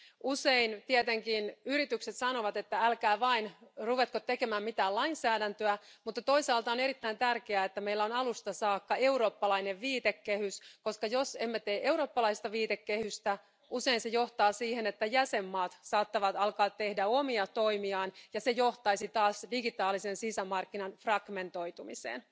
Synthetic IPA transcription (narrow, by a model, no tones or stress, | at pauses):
useint̪iet̪eŋkinyɾit̪ykset̪sɑnoʋɑt̪e̞t̪ːæælkæːʋɑinruʋet̪̚kot̪teke̞mæːmmit̪æːlɑinsæːdænt̪øæmut̪ːɑt̪o̞isɑːlt̪ɑone̞ɾit̪ːæint̪ærkeæːet̪ːæmeilːæonɑlust̪ɑsɑːkːɑe̞uɾo̞ːpːɑlɑineʋʋiːt̪ekːehyskoskɑjosemːet̪eːʔeuɾo̞ːpːɑlɑist̪ɑʋiːt̪ekːehyst̪æ | useinsejoht̪ɑːsiːhenet̪ːæjæsemːɑːt̪sɑːt̪ːɑʋɑt̪ɑlkɑːt̪tehdæomiɑt̪o̞imiɑːnjɑsejoht̪ɑisit̪ɑːsdiɡit̪ɑːlisensisæmɑrkːinɑnfrɑɡ̥me̞nt̪o̞it̪umisḛːn